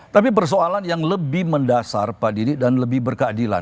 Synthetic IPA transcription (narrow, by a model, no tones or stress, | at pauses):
t̪apip̬ərs̬oalanjaŋləbɪhməndasa̰rpadiɾidanləbɪhbərkadila̰n